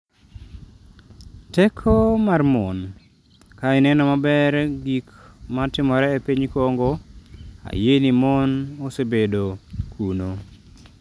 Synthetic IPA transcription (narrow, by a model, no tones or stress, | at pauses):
tɛkʰomarmɔn | kaɪnɛnɔmabɛɾɡikmatɪmɔɾɛepiɲkoŋɡo | a̰jenimonosebedokʰuno